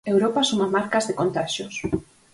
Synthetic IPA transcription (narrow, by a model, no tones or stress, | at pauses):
ewɾopasumamaɾkɐzðekont̪aʃʊs